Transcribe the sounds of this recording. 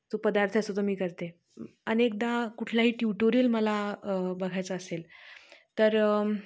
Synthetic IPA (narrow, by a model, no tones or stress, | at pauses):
t̪opəd̪aɾt̪ʰəəsot̪omiːkəɾt̪e | ənek̚d̪ãkuʈʰljaɦiːʈjuʈoɾijəlməlabəɡʱajt͡səːselt̪əɾ